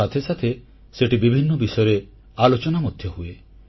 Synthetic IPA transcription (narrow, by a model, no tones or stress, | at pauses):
at̪ʰesat̪ʰe | seʈibibʱinːɔbisɔjɔɾe | alot͡ʃɔnamod̪ʱjɔɦue